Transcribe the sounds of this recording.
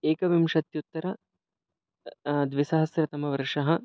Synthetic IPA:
eːkɐʋimʃɐt̪jut̪ːɐɾɐ | d̪ʋisɐɦɐsɾɐt̪ɐmɐʋɐɾʂɐɦɐ̆

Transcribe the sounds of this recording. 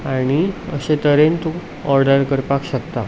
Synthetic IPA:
aɽ̃iə̰ɕet̪əɾent̪u | ɔɾɖəɾkəɾpakɕəkt̪a

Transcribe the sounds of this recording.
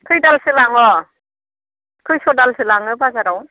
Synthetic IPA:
kʰɯjdalsɯlaŋɔ | kʰɯjsɔdalsɯlaŋɯbazaɾaw

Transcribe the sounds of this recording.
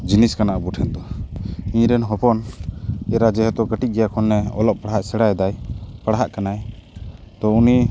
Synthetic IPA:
d͡ʒiniskanaʔbuʈʰɛnd̪ɔiɲɾɛnɦɔpɔn | ɛɾad͡ʒɛɦɛt̪ɔkəʈiɡɛjakʰɔnːɛɔ̰lɔʔ̚paɽɦaʔsɛɽajd̪ajpaɽaɦaʔkanaj | t̪ɔuni

